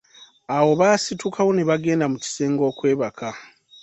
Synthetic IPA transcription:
awo̞βaːsitukʰawo̞neβaɡe̞ːndamuci̥seːŋɡo̞ːkwe̞ːβakʰa

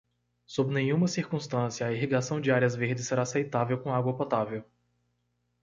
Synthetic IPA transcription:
sobɪnẽɲũmɐsiɾkũst̪ɐ̃sjɐːiɦiɡasɐ̃w̃d͡ʒɪaɾiɐzveɾd͡ʒɪsːeɾaːsejt̪avewkõaɡwɐpot̪avew

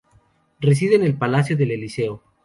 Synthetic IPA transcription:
res̬iðeːne̞lpalasjoðe̞le̞liseo

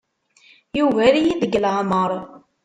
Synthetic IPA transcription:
juvælijiðəɡlʕməɾˤ

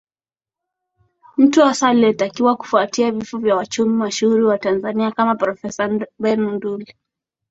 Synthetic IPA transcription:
m̩tuasaliɛtakiwaku̥fuatiavifɔvjawat͡ʃumimaʃuuɾiwatanzaniakamapɾɔfɛsabɛnunduli

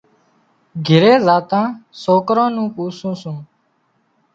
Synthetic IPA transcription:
ɡʱɪɾeːzaːt̪ãːsoːkɾãːnũːpuːsũːsũː

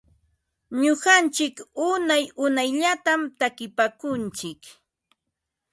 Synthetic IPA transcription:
ɲʊɢant͡ʃɪkʊnajʊnajʎat̪amt̪akɪpakʊnt͡ʃɪk

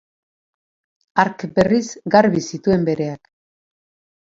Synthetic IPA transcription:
aɾkbe̞risɡaɾβisit̪ue̞mbe̞ɾe̞ak

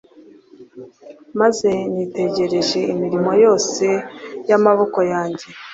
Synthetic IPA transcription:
maze̞ɲiːte̞ɟe̞ɾe̞ʒe̞imiɾimo̞jo̞ːse̞jamaβo̞ko̞jaːɲɟe̞

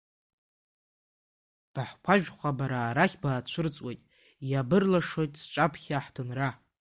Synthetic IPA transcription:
b̥aħkʷʰaʒᶣχʷabaɾaːɾaχʲbaːt͡ɕʷʰʊrt͡sʼwejtʼ | jabɨrlaʂo̞jtʼsʈ͡ʂʼapʰχʲaħdʰɨnra

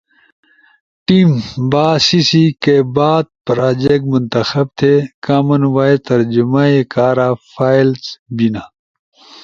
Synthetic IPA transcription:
ʈiːmbaːsisikebaːd̪̚pɾaːd͡ʑek̚munt̪ɐxɐb̚t̪ʰekaːmɐnwaːet̪ɐɾd͡ʑumaekaːɾaːfʰaːjlsbinaː

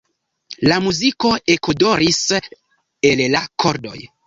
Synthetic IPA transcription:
lamuziko̞e̞kodo̞ɾis | e̞llakʰo̞ɾdo̞̰j

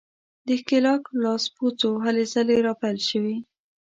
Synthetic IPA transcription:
d̪əkɪlɑklɑsput͡soɦalezəleɾɑpajlʃəwi

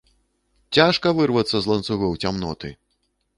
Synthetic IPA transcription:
t͡sʲaʂkɐvɨrvɐt̪sːɐzlˠɐnt̪suɣɔwt͡sʲamnɔ̰t̪ɨ̰

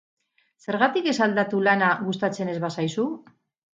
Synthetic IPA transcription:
se̞ɾɣat̪ike̞sald̪at̪ulanaɣust̪at͡se̞ne̞zβasajsu

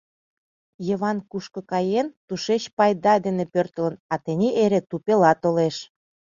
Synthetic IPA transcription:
jəβɑnkuʃkɤ̆kɑjent̪uʃet͡ɕpɑjd̪ɑd̪enepørt̪ə̆lə̆nɑt̪enʲiʔeɾet̪upelɑt̪oleʃ

